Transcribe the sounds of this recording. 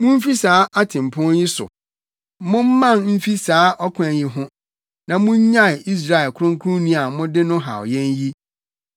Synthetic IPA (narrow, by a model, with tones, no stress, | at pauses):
mʊ̃˦m̩˦fi˦saː˨˦a˦tʰɪ̃˨m˨pʰʊ̃˦nji˦sʊ̰˨ | mʊ̃˦m̩˦mã˦˨nm̩˦fi˦saː˨˦ʔɔ˦kʷʰʊ̃˦æ˨ji˦ɦʊ̃˦ | nã˨mʊ̃˦ɲ˦ɲã˦˨i˦s̬ɾa˦˨ɛ˨lkʰʊ˦ɾʊ̃˦ŋ˦kʰʊ˦ʊ̃˦nĩ˦a˨mʊ̃˦dɪ˦nʊ̃˦ɦa̰˨ɔ̰˨jɛ̃˦nji˦